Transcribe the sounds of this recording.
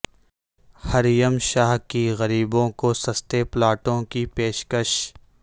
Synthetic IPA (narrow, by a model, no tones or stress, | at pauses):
hɐɾjəmʃaːɦkiɣɐɾiːbõkosɐst̪eplaːʈõkipeːʃkəʃ